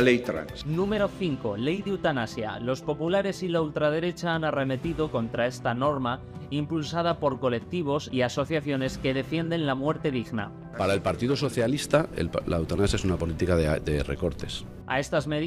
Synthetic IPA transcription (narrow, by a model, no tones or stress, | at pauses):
lejt̪ɾa̰nsnũme̞ɾo̞θiŋko̞le̞jðeut̪anasja̰lo̞spo̞pulaɾe̞silault̪ɾað̞e̞ɾe̞t͡ʃaanare̞me̞t̪iðo̞ko̞nt̪ɾae̞st̪ano̞ɾma | impulsað̞apo̞ɾko̞le̞k̚t̪iβ̞o̞siaso̞θjaθjo̞ne̞ske̞ðe̞fje̞nd̪e̞nlamwe̞ɾt̪e̞ðiɣna̰ | paɾae̞lpaɾt̪iðoso̞θjalist̪aḛla̰wt̪anasjaes̬unapo̞lit̪ikad̪erḛko̞ɾt̪es | a̰e̞st̪azme